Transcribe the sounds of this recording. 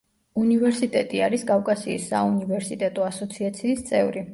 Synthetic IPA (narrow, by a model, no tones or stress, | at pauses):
univɛɾsit̪ʼɛt̪ʼiaɾisɡʼavkʼasiːsːa̰univɛɾsit̪ʼɛt̪ʼɔasɔt̪sʰiat̪sʰiːst̪sʼɛvɾi